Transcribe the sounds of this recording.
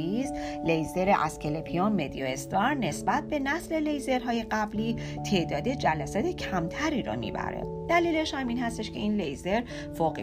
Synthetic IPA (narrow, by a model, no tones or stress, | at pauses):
izlejze̞ɾeʔæ̰skʰelepʰionmed̪ioest̪ɒɾne̞sbæt̪̚be̞næsle̞le̞jze̞ɾɦɒːje̞ɢæbliː | t̪ʰe̞ʔd̪ɒːd̪e̞d͡ʒælæsɒːt̪ʰecʰæmt̪ʰæɾiːɾɔ̰mḭːbæ̰ɾḛ | d̪̥æliːleʃhæmiːnhæst̪eʃkʰe̞iːnlejzeɾ | foːɣ